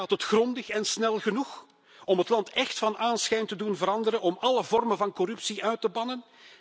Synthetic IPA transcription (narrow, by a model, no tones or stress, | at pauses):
aːtətxrɔndəxɛnsnɛlˠɣənux | ɔmɦətlɑntɛxtfɑnʔaːnsxɛjntədunvəɾɑndəɾənɔmɑləvɔrmənvɑnkɔrʉpsiʔœɥtəbɑnən